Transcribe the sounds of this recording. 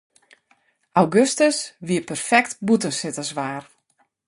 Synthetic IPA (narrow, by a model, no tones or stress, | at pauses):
ʔawɡøstəsʋiəpərfɛk̚tbutənsɪtəsʋaːr